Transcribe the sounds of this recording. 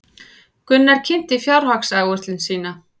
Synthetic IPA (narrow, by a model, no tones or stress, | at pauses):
kʏnːaɾ̥cʰɪn̥t̪ɪfjawɾ̥haksaːjɣʏrt̪lɪnsiːna